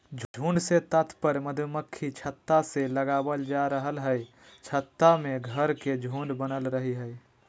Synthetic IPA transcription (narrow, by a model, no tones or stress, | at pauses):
d͡ʒʱd͡ʒʱũːɳɖset̪ət̪ʰpəɾməd̪ʱməkʰːit͡ʃʰət̪ːaseləɡaːwəld͡ʒaɾəɦəlɦɛ | t͡ʃʰət̪ːamẽɡʱəɾked͡ʒʱũːɳɖbənəlɾəɦiɦɛe